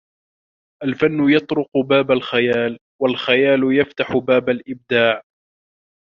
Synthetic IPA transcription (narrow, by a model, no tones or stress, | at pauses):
ʔalfanːʊjɑt̪ˤɾʊqʊbaːbalxajaːl | walxajaːlʊjaft̪aħʊbaːbalʔɪb̚d̪aːʕ